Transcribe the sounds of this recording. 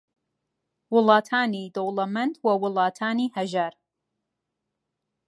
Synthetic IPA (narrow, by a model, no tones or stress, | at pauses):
wʊlˠɑːtʰaːnid̪owlamɐntʰwɐwʊlˠɑːtʰaːnihɐʒaɾ